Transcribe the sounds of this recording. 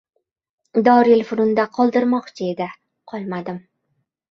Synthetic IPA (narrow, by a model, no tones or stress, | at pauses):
d̪ɒɾjɪlˠfʊɾʊnd̪aqʰɒlˠd̪ɪɾmɒχt͡ʃʰɪed̪ɪ | qʰɒlˠmad̪ɪm